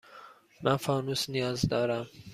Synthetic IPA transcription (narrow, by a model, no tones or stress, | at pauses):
mʔænfɒːnuːsnijɒːzd̪ɒːɾæm